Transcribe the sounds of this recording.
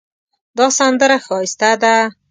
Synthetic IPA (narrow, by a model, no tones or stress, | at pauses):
d̪ɑsand̪əɾaxɑɪst̪ad̪a